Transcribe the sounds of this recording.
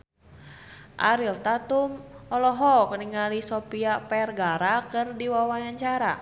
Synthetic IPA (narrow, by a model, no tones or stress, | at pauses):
ʔa̰ɾilt̪at̪umɔlɔɦɔkəniŋalisɔpiapɛrɡaɾakɨrdiwawajaɲt͡ʃaɾa̰